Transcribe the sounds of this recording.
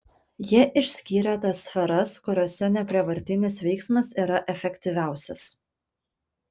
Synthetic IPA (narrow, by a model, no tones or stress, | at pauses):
jiɛʔɪʃʲsʲkʲiːɾʲɛt̪ɐsːʲfʲɛɾɐskʊɾʲoːsʲɛnʲɛpʲɾʲiɛʋɐɾʲt̪ʲɪnʲɪsʋʲɛɪksmɐsiːɾɐʔɛfʲɛkʲt̪ʲiʋʲæˑʊsʲɛs